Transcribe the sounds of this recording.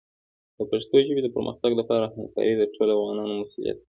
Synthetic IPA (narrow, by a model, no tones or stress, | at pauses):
d̪̥əpaʃt̪oʒəbed̪əpəɾmə̰xt̪aɡlapɑɾahamkɑ̰ɾid̪əʈʰoloafɣɑnɑnomasulḭja̰t̪̚